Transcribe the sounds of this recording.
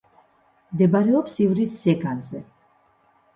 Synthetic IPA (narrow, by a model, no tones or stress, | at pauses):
md̪ɛbaɾɛɔpsivɾisːɛɡanzɛ